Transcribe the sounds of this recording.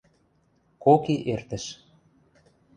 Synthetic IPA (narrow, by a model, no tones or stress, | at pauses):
kokiʔert̪ə̆ʃ